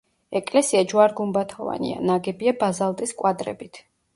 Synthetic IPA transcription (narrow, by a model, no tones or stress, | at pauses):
ɛkʼlɛsiad͡ʒuaɾɡumbat̪ʰɔva̰nḭa̰naɡɛbiabazalˠt̪ʼiskʼwad̪ɾɛ̰bit̪ʰ